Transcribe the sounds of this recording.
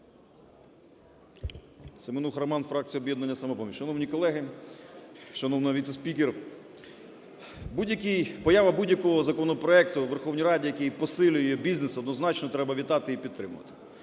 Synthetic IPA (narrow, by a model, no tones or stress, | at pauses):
semɪnuxɾɐmɑnfɾɑk̚t͡sʲijɔbʲjɛd̪nɐnʲːɐsɐmɔpɔmʲiʃɐnɔwnʲikɔlˠɛɦɪ | ʃɐnɔwnɐʋʲit̪sespʲiker | budʲjɐkʲijpɔjɑʋɐbudʲjɐkɔɦɔzɐkɔnɔpɾɔɛkt̪ʊʋerxɔwnʲijɾɑdʲijɐkejpɔsɪlʲʊjɛbʲiznesɔd̪nɔznɑt͡ʃnɔt̪ɾɛbɐʋʲit̪ɑt̪ɪipʲid̪t̪ːɾɪmʊ̰ʋɐ̰t̪ɪ̥